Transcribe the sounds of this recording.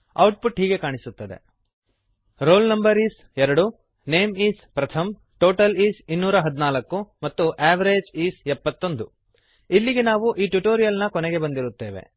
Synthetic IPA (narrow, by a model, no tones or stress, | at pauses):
ɐwʈ̚puʈɦiːɡe̞kaːɳisut̪ːɐd̪e̞̰ | ɾoːlnɐmbɐɾiːs | ɛɾɐɽu | ne̞ːmiːspɾɐt̪ʰɐm | ʈoːʈɐliːsinːuːɾɐɦɐd̪inaːlɐkːumɐt̪ːuʔaːʋɐɾeːd͡ʒiːsɛpːɐt̪ːo̞nd̪u | ilːiɡe̞naːʋuʔiːʈjuʈoːɾijɐlnɐkɔneɡe̞bɐnd̪iɾut̪ːe̞ːʋe̞̰